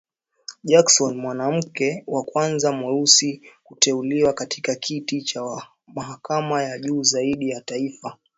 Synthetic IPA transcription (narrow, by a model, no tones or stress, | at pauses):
ʄaksɔnmwanam̩kɛwakwanzamɔɾusikutɛuliwakatʰi̥kakʰitit͡ʃa | maɦakamajaʄuːzaiɗijataifa